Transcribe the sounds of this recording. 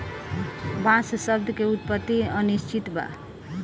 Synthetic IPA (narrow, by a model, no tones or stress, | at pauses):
bãssʌb̚d̪ʱkeut̪̚pət̪ːiʌniʃt͡ʃit̪ba̰